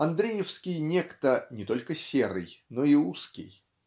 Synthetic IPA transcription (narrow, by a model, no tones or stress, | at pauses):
ɐnd̪ɾʲejɪfskʲɪjnʲekt̪ənʲɪt̪o̞lʲkəsʲeɾɨ̰jno̞ɪuskʲɪ̰j